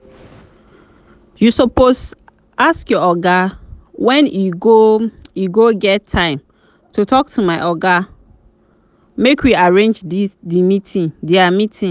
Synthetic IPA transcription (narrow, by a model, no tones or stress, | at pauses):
jusɔpos | ʔaskjɔɔɡawɛ̃nuɡojuɡoɡɛtʰːãɪ̃m | tʰutʰɔk̚tʰumaɪʔɔɡa | mekʰwiaɹẽnd͡ʒdidimitʰĩndɛamitʰĩ